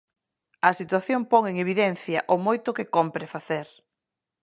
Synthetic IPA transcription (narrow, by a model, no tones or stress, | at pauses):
ɐsit̪waθjompɔŋeŋeβ̞iðɛn̟θjɐ̰ʔʊmojt̪ʊkɪkompɾefaθeɾ